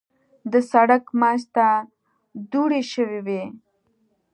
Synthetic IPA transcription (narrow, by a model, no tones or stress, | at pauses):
d̪əsaɽakmɑːʃt̪a | d̪uɽeʃəwewe